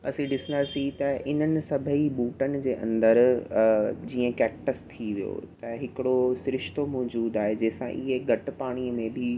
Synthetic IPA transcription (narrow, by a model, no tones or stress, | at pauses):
ɐsĩɖɪsə̃nd̪aːsĩt̪ɐʔɪn̤ənɪ̆sɐbʱəibuːʈənɪ̆d͡ʑeːʔɐ̰̃nd̪əɾ | d͡ʑiːə̃kɛːk̚ʈəst̪ʰiʋijo̰t̪ɐɦɪkɪɽosʊɾɪʃt̪omɔːd͡ʑuːd̪aːɦed͡ʑɐːsã̰ʔiɦeɡʱɐʈ̆paːɽ̃iəmẽbʱɪ